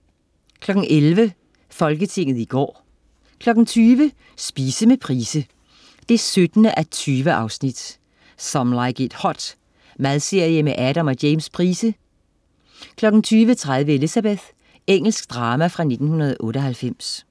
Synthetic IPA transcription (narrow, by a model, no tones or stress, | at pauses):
kʰlɒ̽ɡ̥n̩ʔelʋə | fɒ̽lɡ̥ət͡sʰe̝ŋ̰ð̩ˠiɡ̥ɒ̰ː | kʰlɒ̽ɡ̥n̩t͡sʰyːʋə | sb̥iːsəmepʰʁiːsə | d̥e̝sød̥ənəʔæt͡sʰyːʋəʔɑ̈ʊsnid̥ | sɒ̽mlɑɪɡ̥ed̥hɒ̽d̥ | mæðˠse̝ɐ̰jəmeʔæɾæmɒ̽d̥eɪmspʰʁiːsə | kʰlɒ̽ɡ̥n̩t͡sʰyːʋət͡sʰʁaðˠʋəe̝lisæb̥eð̥ˠ | eŋ̰l̩sɡ̥d̥ʁɑ̈ːmæfʁɑ̈ne̝d̥n̩hunɐð̞̩ˠʔɔ̽ːɾəɒ̽ɦhælfem̰s